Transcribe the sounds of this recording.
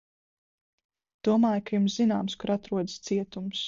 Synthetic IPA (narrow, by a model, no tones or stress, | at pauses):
d̪̥uɔmaːjkajumszina̰ːmskuɾat̪ɾuɔd̪ist̪siɛt̪ums